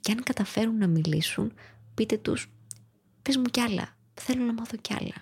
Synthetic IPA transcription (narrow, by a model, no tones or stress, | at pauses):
ceɐŋkɐt̪ɐfe̞ɾunːɐmilisṵnpit̪e̞t̪ṵs | pe̞zmucɐlɐ̰ | θe̞lo̞nɐmɐθo̞ceɐ̰lɐ̰